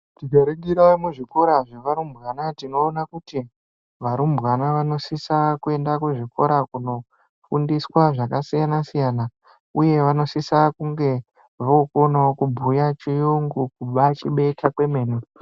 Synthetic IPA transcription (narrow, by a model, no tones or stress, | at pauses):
tiɡʱaɾiŋɡiɾaimuʐiko̞ɾaʐiʋaɾumbɣanatino̞ːnakuti | ʋaɾumbɣanaʋano̞sisakue̞ndakuʐiko̞̰ɾakuno̞ | fundiswaʐakasijanasijana | uje̞ʋano̞sisakuŋɡe̞ | ʋoukonaokubʱujat͡ʃijuŋɡukuɓat͡ʃiɓe̞tʰakwe̞me̞ːnu